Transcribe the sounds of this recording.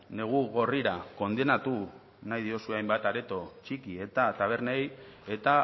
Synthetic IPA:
ne̞ɣ̞uɣo̞riɾako̞nd̪e̞nat̪u | najðio̞sueajmbat̪aɾe̞t̪o̞t͡ʃikie̞t̪at̪aβ̞e̞ɾneje̞t̪a

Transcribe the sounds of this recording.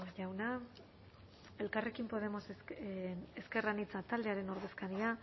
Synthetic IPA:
ʝawna | e̞lkare̞kimpo̞ðe̞mo̞s | eske̞ranit͡sat̪ald̪e̞aɾe̞no̞ɾðe̞skaɾia

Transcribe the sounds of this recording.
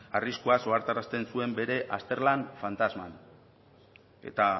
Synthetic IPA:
ariskuaso̞aɾt̪aɾast̪e̞nsue̞mbe̞ɾe̞ʔast̪e̞ɾlanfant̪azma̰n | e̞̰t̪a

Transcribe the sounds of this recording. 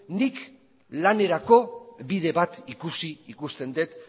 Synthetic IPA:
nik | lane̞ɾako̞βiðe̞βat̪ikusiikust̪e̞nd̪et̪

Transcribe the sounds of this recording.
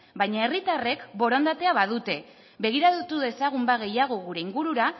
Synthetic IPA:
bajɲae̞rit̪are̞kbo̞ɾond̪at̪e̞aβaðut̪e̞ | βe̞ɣ̞iɾaðut̪uðe̞saɣ̞umbaɣ̞e̞jaɣ̞o̞ɣuɾe̞iŋɡuɾuɾa

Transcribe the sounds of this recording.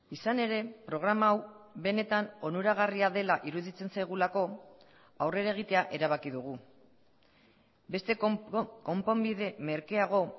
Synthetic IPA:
isane̞ɾe̞pɾo̞ɣ̞ɾamaːwβe̞ne̞t̪ano̞nuɾaɣariaðe̞laʔiɾuðit͡se̞nsajɣ̞ulako̞ | awre̞ɾaeɣ̞it̪e̞aʔe̞ɾaβ̞akiðuɣ̞u | be̞st̪e̞ko̞mpo̞mbiðe̞me̞ɾkeaɣ̞o̞

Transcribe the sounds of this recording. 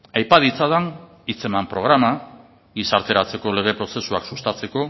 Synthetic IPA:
ajpaðit͡saðan | it͡se̞mampɾo̞ɣ̞ɾama | ɣisaɾt̪e̞ɾat͡se̞ko̞le̞ɣ̞e̞pɾo̞se̞suaksust̪at͡se̞ko̞

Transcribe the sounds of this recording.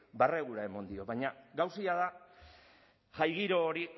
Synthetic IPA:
bareɣuɾae̞mond̪io̞βaɲaɡawsiaða | ʝajɣiɾo̞ːɾi

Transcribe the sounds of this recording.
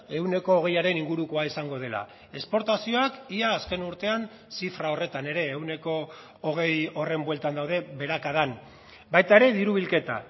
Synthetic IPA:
e̞wne̞ko̞ːɣ̞e̞jaɾe̞niŋɡuɾuko̞aisaŋɡo̞ð̞e̞la̰ | e̞spo̞ɾt̪asio̞akiaːske̞nuɾt̪e̞an | sifɾao̞re̞t̪ane̞ɾe̞ːwne̞ko̞ː | ɣ̞e̞jo̞re̞mbwe̞lt̪and̪awðe̞βe̞ɾakað̞an | bajt̪ae̞ɾe̞ðiɾuβ̞ilke̞t̪a̰

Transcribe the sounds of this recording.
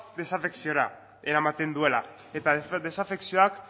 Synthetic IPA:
d̪e̞safe̞ksio̞ɾa | eɾamat̪e̞nd̪ue̞la | et̪aðe̞safe̞ksio̞ak

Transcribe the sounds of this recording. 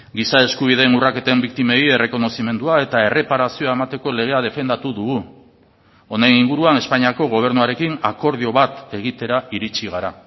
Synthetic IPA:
ɡisae̞skuβ̞iðe̞ːnurake̞t̪e̞mbik̚t̪ime̞je̞re̞ko̞no̞sime̞nd̪uae̞t̪ae̞re̞paɾasioae̞mat̪e̞ko̞le̞ɣ̞e̞að̞e̞fe̞nd̪at̪uðuɣu | o̞nejniŋɡuɾuane̞spaɲiako̞ɣo̞β̞e̞ɾnuaɾe̞kinako̞ɾð̞io̞βat̪e̞ɣ̞it̪e̞ɾaiɾit͡ʃiɣ̞aɾa

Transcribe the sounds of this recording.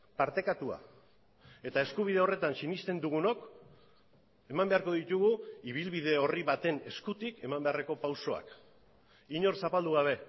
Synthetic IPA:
paɾt̪e̞kat̪ua̰ | e̞t̪ae̞skuβ̞ið̞e̞o̞re̞t̪ansinist̪e̞nd̪uɣ̞uno̞k | e̞mambe̞aɾko̞ðit̪uɣuiβ̞ilβið̞e̞o̞riβat̪e̞ne̞skut̪ike̞mambe̞are̞ko̞pawso̞a̰k | iɲo̞ɾsapald̪uɣ̞aβ̞e̞

